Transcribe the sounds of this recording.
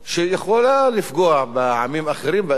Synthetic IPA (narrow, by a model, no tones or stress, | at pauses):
ʃejeχolalifɡoaʕbeʕa̰mimaχeɾimbe